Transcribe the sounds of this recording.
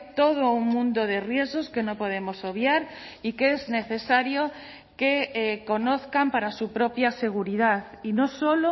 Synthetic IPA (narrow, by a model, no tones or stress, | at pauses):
t̪o̞ð̞ouŋmũnd̪oð̞e̞rje̞zɣo̞ske̞no̞po̞ð̞e̞mo̞so̞βjaɾ | ikezne̞θe̞saɾjo | keko̞noθkampaɾasupɾo̞pjase̞ɣ̞uɾiðað | ino̞so̞lo